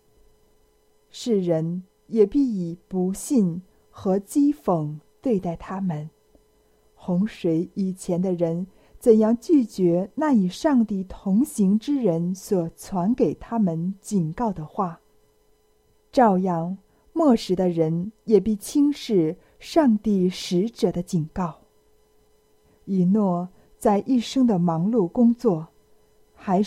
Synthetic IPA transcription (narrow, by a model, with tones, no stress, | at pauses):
ʂɻ̩˥˩ɻə˧˥n | jɛ˨˩pi˥˩i˨˩pu˧˥ɕi˥˩n | xɤ˧˥t͡ɕi˥fɤ˨˩ŋt̪we˥˧ɪt̪a˥˩ɪt̪ʰa˥mə˨n | xʊ˧˥ŋʂwe˧˥ɪi˨˩t͡ɕʰjɛ˧˥nd̪ə˧ɻə˧˥n | t͡sə˨˩njɑ˥˧ŋt͡ɕy˥˩t͡ɕɥɛ˧˥na˥˩i˨˩ʂɑ˥˧ŋt̪i˥˩t̪ʰʊ˧˥ŋɕi˧˥ŋʈ͡ʂɻ̩˥ɻə˧˥nswɔ˨˩t͡sʰwa˧˥nke˨˩ɪt̪ʰa˥mə˨nt͡ɕi˨˩nkɑ˥˩ʊd̪ə˩xwa˥˩ | ʈ͡ʂɑ˥˧ʊjɑ˥˩ŋ | mwɔ˥˩ʂɻ̩˧˥d̪ə˧ɻə˧˥njɛ˨˩pi˥˩t͡ɕʰi˥ŋʂɻ̩˥˩ | ʂɑ˥˧ŋt̪i˥˩ʂɻ̩˧˥ʈ͡ʂɤ˨˩d̪ə˦t͡ɕi˨˩nkɑ˥˩ʊ | i˨˥˩nwɔ˥˩ | t͡sa˥˧ɪʔi˥˩ʂɤ˥ŋd̪ə˨mɑ˧˥ŋlu˥˩kʊ˥ŋt͡swɔ˥˩ | xa˧˥ɪ